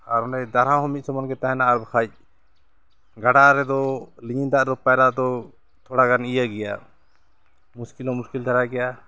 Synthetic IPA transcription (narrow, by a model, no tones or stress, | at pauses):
aɾɔnɛd̪aɾãɦɔmit̪̚ˀsɔmɔnɡɛt̪aɦɛnaaɾbakʰac̚ | ɡaɽaɾɛd̪ɔliɲind̪aʔd̪ɔpalad̪ɔ | t̪ʰɔɽaɡanijaɡɛja | muskilɔmuskild̪ʰʱaɾaɡɛja